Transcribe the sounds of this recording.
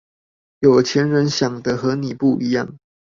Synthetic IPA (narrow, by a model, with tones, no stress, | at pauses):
jo˨˩ʊt͡ɕʰjɛ˧˥nɻə˧˥nɕjɑ˨˩ŋd̪ə˦xɤ˧˥ni˨˩pu˥˩i˧˥jɑ̰˥˩ŋ